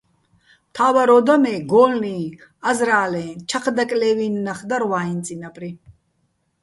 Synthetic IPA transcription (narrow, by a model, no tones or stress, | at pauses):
mt̪ʰaːwaɾɔd̪amɛːɡɔːlniːazɾaːlɛːnt͡ʃʰaqʰd̪akʼlɛːvinːaχd̪aɾwaːint͡sʼinapʼɾi